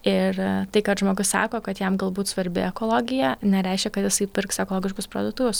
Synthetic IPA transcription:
ɪrt̪ɐɪkɐtʒmoːɡʊssɑ̰ːkoːkɐt̪jɛmɡɐlˠbuːt̪sʋɐɾʲbʲɪ̰ɛkoːlˠoːɡʲɪjɛnʲɛɾʲɛɪʃʲkʲɛkɐt̪jɪsɐɪpʲɪrksɛkolˠoːɡʲɪʃkʊspɾo̰ːd̪ʊt̪uʋʲʊs

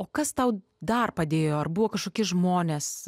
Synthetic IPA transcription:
oːkɐst̪ɐʊ | d̪ɐrpɐd̪ʲeːjoːɐrbʊʋoːkɐʃkoːkʲɪʒmoːnʲeːs

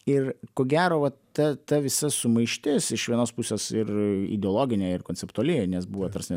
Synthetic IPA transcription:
ɪrkoːɡʲæːɾoːʋɐt̪ɐt̪ɐʋʲɪsɐsʊmɐɪʃʲt̪ʲɪsɪʃʋʲiɛnoːspusʲoːsɪrḭd̪ʲɛoːlˠoːɡʲɪnʲeːɪrkoːnʲt͡sʲɛpt̪uɐlʲɪɛnʲɛsbuːʋot̪ɐrsʲnʲɛ

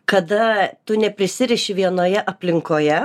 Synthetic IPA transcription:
kɐd̪ɐt̪ʊnʲɛpʲɾʲɪsʲɪɾʲɛʃʲɪʋʲiɛnoːjɛʔɐpʲlʲɪŋkoːjɛ

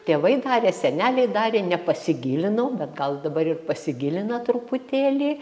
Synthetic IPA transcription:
t̪ʲeːʋɐɪd̪ɑːɾʲeːsʲɛnʲæːlʲɛɪd̪ɑːɾʲeːnʲɛpɐsʲɪɡʲilʲɪnɐʊbʲɛt̪ɡɐlˠd̪ɐbɐɾɪrpɐsʲɪɡʲɪlʲɪnɐt̪ɾʊpʊt̪ʲeːlʲiː

